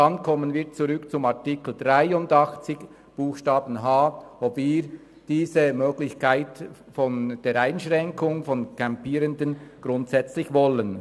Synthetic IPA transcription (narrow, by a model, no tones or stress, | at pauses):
ɑnkʰɔmːənvɪɐtt͡suʁʏkt͡sʊmɑʁtikl̩dʁaɪʊndɑχt͡sɪç | b̥uːxʃtɑːbn̩ɦaːɔpviː | d̥iːzəmøːɡ̥lɪçkʰaɪt | fɔnd̥eːɾaɪnʃʁɛŋkʰʊŋfɔnkʰampiːɾəndənɡ̥ɾʊntsɛt͡slɪçvɔlən